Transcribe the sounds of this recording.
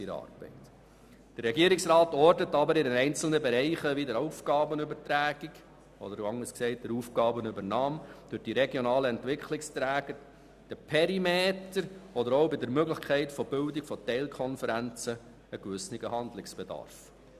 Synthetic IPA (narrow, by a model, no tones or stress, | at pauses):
iɾɑ̰ːrb̥ɛ̰ɪt | d̥əɾɾɛɡiəɾɪksɾɑːtɔrdətɑbəɾɪdəɛɪnt͡sl̩nəbeɾɛɪχəʋidəɾoufɡɑːbənʏbəɾtɾæːɡ̥iɡ | ɔdəɾɑŋəsksɛɪt̚d̥̪əɾuːfɡ̥ɑːbənʉbəɾnɑːmd̥ʉɾd̥iɾɛɡjɔnɑːləɛntʋɪkʰlɪkstɾæːɡ̥əɾ | d̥əpʰɛɾimeːtəɾɔd̪əɾowbɪdəɾmøɡlɪχkʰɛɪtfɔb̥ʏldɪkfɔtɛɪlkʰɔnfəɾænt͡sə | əkʋʏsnɪɡəhɑndlɪksb̥ɛd̥ɑ̰rf